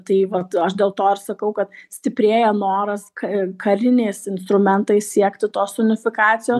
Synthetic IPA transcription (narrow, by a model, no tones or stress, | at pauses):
t̪ɐɪʋɐt̪ɐʃdʲeːlˠt̪oːɪɾsɐkɐʊkɐt̪sʲt̪ʲɪpʲɾʲeːjɛnoːɾɐskɐkʰɐɾʲɪnʲeːsɪnst̪ɾʊmʲɛnt̪ɐɪssʲiɛkt̪ʲɪt̪oːsʊnʲɪfʲɪkɑːt͡sʲɪjoː